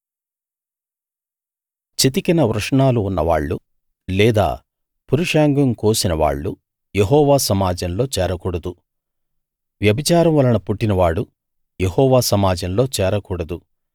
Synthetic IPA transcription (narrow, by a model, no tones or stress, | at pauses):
t͡ʃit̪̬ikɐnɐʋɾɐʂɐɳaːluːnːɐʋa̰ːɭːu | lɛːd̪a̰ː | puɾuʂaːŋɡɐmkoːsinɐʋa̰ːɭːu | jeɦɔːʋaːsɐmaːd͡ʒɐmlo̞ːt͡ʃɛːɾɐkuːɽɐd̪u | ʋjɐbit͡ʃaːɾɐmʋɐlɐɳɐpuʈːinɐʋaːɽu | jehɔːʋaːsɐmaːd͡ʒɐmlo̞ːt͡ʃɛːɾɐkuːɽɐd̪u